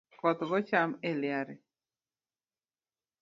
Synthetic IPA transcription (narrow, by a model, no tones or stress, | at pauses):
kɔt̪ɡɔt͡ʃameljaɾe